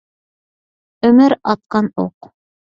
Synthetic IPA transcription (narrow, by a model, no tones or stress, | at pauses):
ɵ̆mɘɾɑt̪̚qɑnṵq